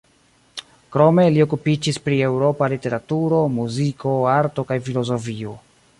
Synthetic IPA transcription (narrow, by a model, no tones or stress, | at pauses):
kɾo̞me̞lio̞kupid͡ʒispɾie̞wɾo̞palite̞ɾatuɾo̞muziko̞aɾto̞kajfilo̞zo̞fio̞